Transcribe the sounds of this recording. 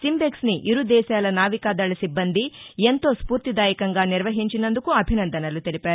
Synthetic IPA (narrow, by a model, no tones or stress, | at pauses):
simbeksniʔiɾud̪ɛːsɐjɐlɐnaːʋikaːd̪ɐɭɐsibːɐnd̪ient̪oːspuːɾt̪id̪aːjɐkɐŋɡaːniɾʋɐɦiɲt͡ʃinond̪ukuɐbʱinɐnd̪ɐnɐlut̪ilipeːɾ